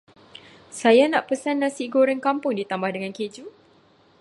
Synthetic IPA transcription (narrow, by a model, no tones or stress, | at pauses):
sajanaʔpəsanːãsiɡoɾənkampʊŋdit̪ambahdəŋãnked͡ʒu